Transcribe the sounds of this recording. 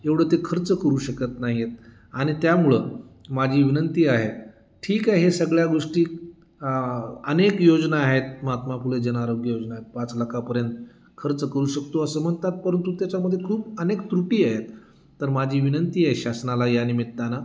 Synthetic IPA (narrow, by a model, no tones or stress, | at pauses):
eʋɽ̤ət̪ekʰəɾt͡səkəɾuːɕəkət̪naɦijet̪̚ | aɽ̃it̪jamuɭəmad͡ʑʱiːʋinənt̪iːaɦet̪ | ʈʰiːkaɦesəɡɭjaɡoʂʈiː | ənekjod͡znaːɦet̪məat̪mafuled͡ʑənaɾoɡjəjod͡znaɦet̪̚pãt͡sləkʰapəɾjənt̪ | kʰəɾt͡səkəɾuːɕəkt̪oəsəm̤əɳt̪at̪̚pəɾənt̪ut̪jat͡ɕaməd̪ʱːjekʰuːbənekt̪ɾuʈiːaɦet̪ː | əɾmad͡ʑʱiːʋinənt̪iːeɕasnalajanimiɽt̪ana